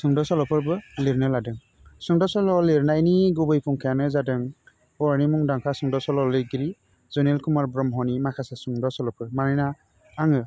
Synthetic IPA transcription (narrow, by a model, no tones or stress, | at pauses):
sɯŋdɔsɔlɔpʰɯɾbɯliɾnɯladɯŋ | sɯŋdɔsɔlɔliɾnajniɡubɯjpʰuŋkʰajanɯzadɯŋ | ɔɾnimuŋdaŋkʰasɯŋdɔsɔlɔlɯjɡiɾi | zɔnelkumaɾbɾɔmɦɔnimakʰasasɯŋdɔsɔlɔpʰɯɾmaɾɯjna | aŋɯ